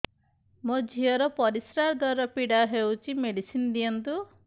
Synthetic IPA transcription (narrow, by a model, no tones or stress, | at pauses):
mod͡ʒʱiɔɾɔpɔɾisɾaɾd̪ʱaɾɔpiɽaɦewt͡ʃʰimeɽisinɔd̪ijɔnt̪u